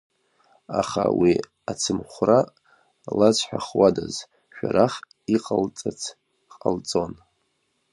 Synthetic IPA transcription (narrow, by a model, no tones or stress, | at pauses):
aχawi | at͡sʰɨmχʷra | lat͡sʷʰʼħʷᶣaχwadaz | ʃᶣaɾaχ | iqʼalt͡sʼat͡sʰ | qʼalt͡sʼo̞n